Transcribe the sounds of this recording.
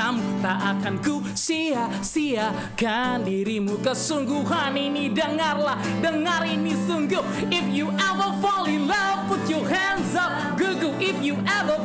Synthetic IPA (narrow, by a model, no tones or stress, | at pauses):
amkut̪aʔakanɡu | sia | sia | ɡandiɾimukəsuŋɡuɦaninidəŋarlah | dəŋaɾinisuŋɡuh | ɪfjuʔɛvəfɔlilʌpʊtuhɛnzap̚ | ɡuɡuʔɪfjuʔɛvə